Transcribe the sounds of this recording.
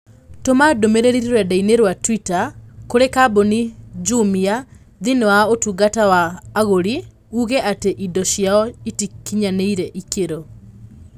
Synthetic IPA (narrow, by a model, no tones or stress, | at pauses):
tomadomeɾeɾiɾiɾwɛdaineɾwatwitakoɾekabonid͡ʒumia | ðinewaotuɡatawaːɣoɾi | uɣɛʔateʔidɔʃjaɔitikːiɲaneiɾɛʔikeɾo